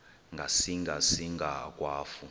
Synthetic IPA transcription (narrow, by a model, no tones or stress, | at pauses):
ŋɡʱasiŋɡʱasiŋɡʱak̬ʼwaːfu